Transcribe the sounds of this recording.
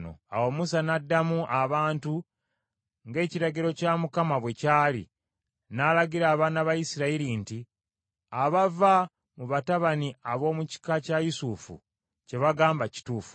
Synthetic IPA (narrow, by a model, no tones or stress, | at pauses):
no̰a̰wo̞musanadːamuʔaβaːntu | ŋɡe̞ːciɾaɡiɾo̞camukamaβwe̞caːlḭ | nalaɡiɾaːβaːnaβajisiɾaiɾinti | aβava | muβataβaniaβo̞ːmuci̥kacajusufṵ | ce̞βaɡaːmbaci̥tuːfu̥